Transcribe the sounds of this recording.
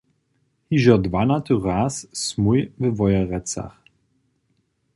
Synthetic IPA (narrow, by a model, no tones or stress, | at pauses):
hiʒɔd̪vanat̪ʰuʁaːssmujvɛvɔjaʁɛt͡sa̰χ